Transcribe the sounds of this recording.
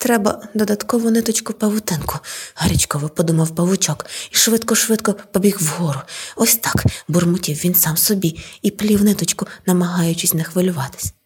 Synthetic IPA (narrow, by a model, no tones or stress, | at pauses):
t̪ɾɛbɐ̰d̪ɔd̪ɐt̪kɔʋɔnɪt̪ɔt͡ʃkʊpɐʋʊt̪ɪnkʊhɐɾʲit͡ʃkɔʋɔpɔd̪umɐwpɐʋʊt͡ʃɔkiʃʋɪt̪kɔʃʋɪt̪kɔpɔbʲixwɦɔɾʊɔsʲt̪ɑkbʊrmʊtʲiwʋʲinsɑmsɔbʲiiplʲiwnɪt̪ɔt͡ʃkʊnɐmɐɦɑjʊt͡ʃɪsʲnɐxʋɪlʲʊʋɑt̪ɪ̥sʲ